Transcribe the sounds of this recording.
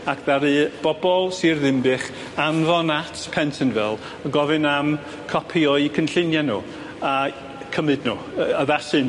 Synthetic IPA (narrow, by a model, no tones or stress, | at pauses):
akʰðaɾɨb̥ɔbɔlˠsirðɪmbɨχ | anvɔnatʰpʰɛntʰənvɛlˠ | aɡɔvɨnam | kʰɔpʰiɔɨkʰənɬɪnjanṵ | a | kʰəmɨdnu | əðasɨn